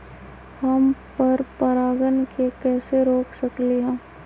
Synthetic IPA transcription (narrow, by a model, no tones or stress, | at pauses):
hɐmpɐɾpɐɾaːɡənkekɛːseɾoːkʰsɐkleɦɛ̃ː